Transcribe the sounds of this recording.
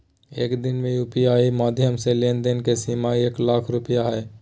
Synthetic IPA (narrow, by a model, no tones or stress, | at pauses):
ḛːkd̪ɪnmẽjuːpijaːimaːd̪ʱjəmselend̪enkesimaeːklaːkʰɾʊpijaɦɛː